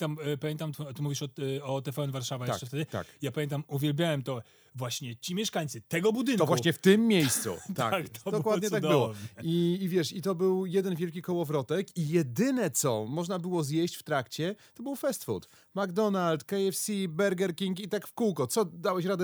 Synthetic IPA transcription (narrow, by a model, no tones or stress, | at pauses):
t̪ampamjɛnt̪amt̪ɔt̪ɪmuvʲiʂɔɔt̪ɛfɛɛnvaɾʂavajaʂt͡ʂɛft̪ɛd̪ɘt̪a̰kjapamʲjɛnt̪amuvʲjɛlbʲjawɛmt̪ɔ | vwaɕɲɛt͡ɕimʲjɛʂkaɲt̪sɨt̪ɛɡɔbud̪ɘnk̪ɔvwaɕɲɛft̪ɘmːjejst̪sṵt̪a̰kak̪ɔd̪ɔkwad̪ɲɛt̪aɡd̪bɪwɔiːvʲjɛʂit̪ɔbɘwjɛd̪ɛnvʲjɛlkʲikɔwɔvɾɔt̪ɛkijɛd̪ɘnɛt̪sɔmɔʐnabɘwɔzjɛɕt͡ɕft̪ɾakt͡ɕɛt̪ɔbɘwfɛst̪fṵɾt̪ | maɡd̪ɔnalt̪kɛjɛfsʲibɛɾɡɛɾkʲiŋkit̪akfkuwkɔt̪sɔd̪awɛɕɾad̪ɛ